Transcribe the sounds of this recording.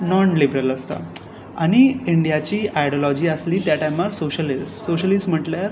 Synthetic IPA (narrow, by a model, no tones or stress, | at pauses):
nɔnlibɾələst̪a̰ | aɽ̃iiɳɖijat͡ɕiːʔajɽɔlɔd͡ʑiːəsliːt̪jaʈajmaɾsoɕəlisoɕəlisʈm̤əʈljaɾ